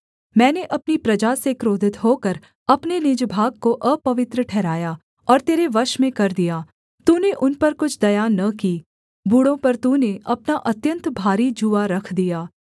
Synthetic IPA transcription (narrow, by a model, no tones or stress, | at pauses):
mɛ̃ːneʔɐpnipɾɐd͡ʒasekɾoːd̪ʱɪt̪ɦoːkəɾ | ɐpnenɪd͡ʒbʱaːɡ̚koʔɐpɐʋɪt̪ɾəʈʰɛːɾaːja | ɔːɾt̪eːɾeʋɐʃmẽkɐɾd̪ijaː | t̪uːneʔʊnpɐɾkʊt͡ʃʰd̪ɐjanɐkiː | buːɽõpɐɾt̪uːneʔɐpnaʔɐt̪jə̃nt̪bʱaːɾid͡ʒuʋaɾɐkʰd̪ijaː